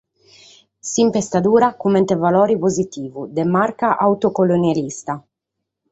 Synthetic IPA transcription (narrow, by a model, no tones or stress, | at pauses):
simpest̪ad̪uːɾakumɛnt̪evalɔːɾipozit̪iːvud̪ɛmaɾkaʔawt̪okolonjalist̪a